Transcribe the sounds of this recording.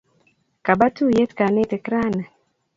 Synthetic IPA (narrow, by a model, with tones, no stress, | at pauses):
ka˨ba˦tu˦je˦tka˨ne˦tɛ˨kɾa˦na˨